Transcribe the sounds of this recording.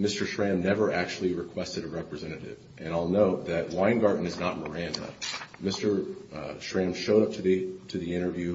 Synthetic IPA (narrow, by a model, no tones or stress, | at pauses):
mɪstə˞ʃɹæ̃mnɛvə˞ʔæk̚t͡ʃul̩ˠiɹɨkʰw̥ɛstɨɾɨɹɛpɹɨzɛɾ̃ɨɾɪ̰vʔɨ̃ñaɪlˠnoʊt̚ðɨt̚wãɪ̃nɡɑɹdⁿn̩ɨznət̚mə˞æ̃ndɨ̰mɪstə˞ʃɹæ̃mʃoʊɾʌp̚tʰɨtʰɨðiɪ̃ɾ̃ə˞vjʉ